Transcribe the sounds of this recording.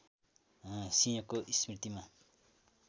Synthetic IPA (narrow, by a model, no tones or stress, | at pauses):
sĩjʌkoʔisprit̪ima